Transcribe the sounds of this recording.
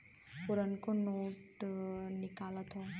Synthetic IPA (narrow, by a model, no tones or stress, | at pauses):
puɾənkonoːʈnikaːlət̪ʰo